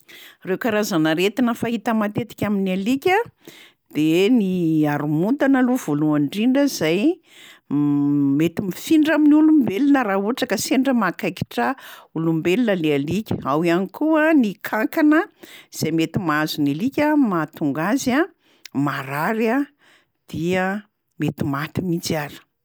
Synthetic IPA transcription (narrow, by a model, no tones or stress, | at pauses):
rewkaɾazanaɾet̪inəfaɦit̪əmat̪et̪i̥kʲaminialikʲə | d̪̥eniaɾumunt̪analuv̥oluaɳɖ͡ʐiɳɖ͡ʐəzaj | met̪imifiɳɖ͡ʐaminiulumbelinəɾauʈ͡ʂakəseɳɖ͡ʐəmakajki̥ʈ͡ʂəulumbelinəlealikʲə̥awianikuənikʰaŋkanəz̥ejmet̪imazunilikʲəmat̪uŋɡaza | maɾaɾa | d̪̥iə | met̪imat̪imit͡siaɾə̥